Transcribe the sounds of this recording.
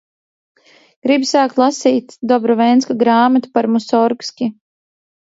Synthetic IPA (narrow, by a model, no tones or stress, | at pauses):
ɡ̥ɾibsaːkt̪lˠasiːt̪d̪ɔbɾɔvɛjnskaɡɾaːmat̪u̥paɾmusɔɾkskʲi